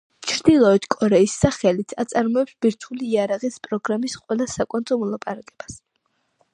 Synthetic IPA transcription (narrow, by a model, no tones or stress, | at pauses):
t͡ʃʰɾd̪ilˠɔɛt̪ʰkʼɔɾɛisːaχɛlit̪ʰat̪sʼaɾmɔɛpsbiɾt̪ʰuliːaɾaʁispʼɾɔɡɾamisqʼwɛlˠasakʼɔnt̪ʼɔmɔlˠapʼaɾakʼɛb̥as